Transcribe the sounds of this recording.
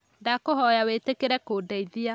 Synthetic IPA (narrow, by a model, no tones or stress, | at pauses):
dakoɦɔjaweːtekeɾɛkoːdɛiðia